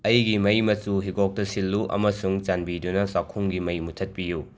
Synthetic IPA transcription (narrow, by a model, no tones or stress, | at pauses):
ɐjɡimɐjmɐsuɦiɡok̚tɐsilːuʔɐ̰mɐsuŋt͡ʃanbidunɐsakʰːuŋɡimɐjmutʰɐt̚piju